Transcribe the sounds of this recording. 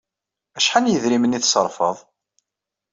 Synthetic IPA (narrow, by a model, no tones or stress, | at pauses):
æʃħanjəðɾiməniθsəɾˤfə̰ðˤ